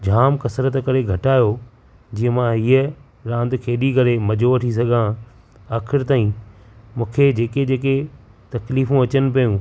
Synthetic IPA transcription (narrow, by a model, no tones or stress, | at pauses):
d͡ʑʱaːmkɐsɾət̪kɐɾeɡʱɐʈaːjo | d͡ʑiːə̃mãɦiːə | ɾãːnd̪kʰeːɗiɡʱɐɾemɐd͡ʑʱoɐʈʰis̬ɐɡʱã | aːkʰɪɾt̪aːĩ | mũːkʰed͡ʑeːked͡ʑeːk̬e | t̪ɐkliːfũɐt͡ɕənɪ̆p̬ɐjũː